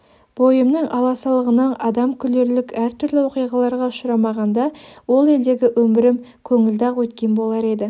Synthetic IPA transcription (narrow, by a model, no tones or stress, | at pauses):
b̥ojəmnəŋɑlˠɑsɑlˠəʁənɑnɑd̪ɑmkʲʰʏle̞ɾlɪkæɾt̪ʰʏɾlɪwo̞qijʁɑlˠɑɾʁɑʊʃʊɾɑmɑʁɑnd̪ɑwo̞lˠe̞ld̪e̞ɡʲɪʔwɵmbɪɾɪmkʲʰɵŋɪld̪ɑqwɵt̪kʲe̞nbo̞lˠɑɾe̞d̪ɪ